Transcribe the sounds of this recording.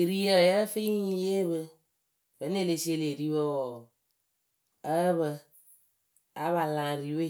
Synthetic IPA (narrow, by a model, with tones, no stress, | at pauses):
ɾi˦ə˦˨jə˦fi˦i˦je˦βɨ˧ | bə˨˦ne˦˨le˧si˦e˦˨le˨ɾi˦βə˦wɔ˨ | ə˦βə˧ | a˨˦βa˨lã˨ɾi˨we˦˨